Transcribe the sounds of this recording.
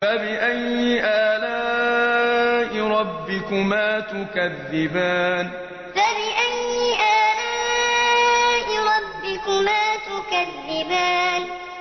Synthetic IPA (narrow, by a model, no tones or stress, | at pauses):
fabɪʔajːɪʔaːlaː | ʔɪɾˤɑbːɪkʊmaːt̪ʊkaðːɪbaːn | fabɪʔajːɪʔaːlaː | ʔɪɾˤɑbːɪkʊmaːt̪ʊkaðːɪbaːn